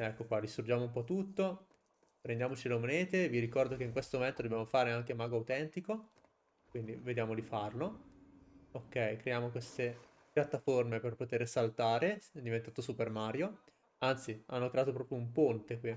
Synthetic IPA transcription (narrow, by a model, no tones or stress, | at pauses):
ɛkːokwad̪ist̪ɾud͡ʒaːmoumpɔt̪ːut̪ːo | pɾend̪jaːmot͡ʃilemoneːt̪eviɾikɔrd̪okeiŋkwest̪omoment̪od̪objamofaːɾeaŋk̟emaːɡoawt̪ɛnt̪iko | kwind̪ived̪jaːmod̪ifarlo | okːɛjkɾejaːmokwest̪e | pjat̪ːaformeperpot̪eɾesalt̪aːɾeɛd̪ːivent̪aːt̪osupermaːɾjo | ant̪sianːokɾeat̪opɾɔːpɾjoumpont̪eki